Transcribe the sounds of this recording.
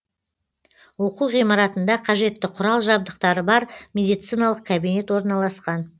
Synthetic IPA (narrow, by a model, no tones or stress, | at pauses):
wo̞quʁijmɑɾɑt̪ənd̪ɑqʰɑʒe̞t̪ːɪqʰʊɾɑlˠʒɑbd̪əqt̪ɑɾəbɑɾmʲe̞d̪ijt̪sɨjnɑlˠəq̚kʲʰabine̞t̪wo̞ɾnɑlˠɑsqɑn